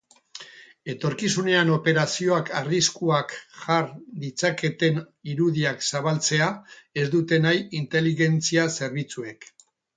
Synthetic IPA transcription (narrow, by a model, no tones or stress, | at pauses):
e̞t̪o̞ɾkisune̞ano̞pe̞ɾasio̞akʰariskuakxard̪it͡sake̞t̪e̞n | iɾuðiaksaβ̞alt͡se̞ae̞zd̪ut̪e̞najint̪e̞liɣe̞nt͡siase̞ɾβ̞it͡sue̞k